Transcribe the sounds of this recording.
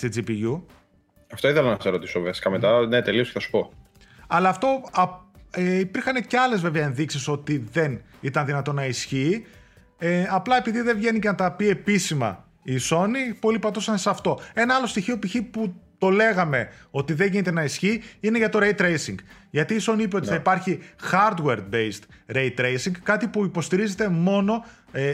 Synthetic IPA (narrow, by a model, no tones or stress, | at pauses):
st̪id͡zipiʝu | ɐfto̞iθelɐnɐseɾot̪isovɐsi̥kɐmet̪ɐnet̪e̞lio̞sceθɐsu̥po̞ | ɐlɐːft̪o̞ɐeipiɾxɐne̞ceɐle̞zve̞veɐenðiksiso̞t̪iðe̞n | it̪ɐnðinɐt̪o̞nɐisçi | eɐplɐe̞piðiðe̞vʝe̞nicenɐt̪ɐpie̞pisimɐ̰ | iso̞nipo̞lipɐt̪osɐnsɐft̪o̞e̞nɐɐlo̞st̪içiopiçiput̪o̞le̞ɣɐme̞o̞t̪iðe̞ʝinit̪e̞nɐisçiine̞ʝɐt̪o̞ɾeit̪ɾe̞jsiŋɡ | ʝɐt̪iːso̞niipeo̞t̪iθɐipɐɾçixɐɾd̪we̞ɾd̪̚bejst̪ɾe̞it̪ːɾejsiŋɡkɐt̪ipuipo̞st̪iɾize̞t̪e̞mo̞no̞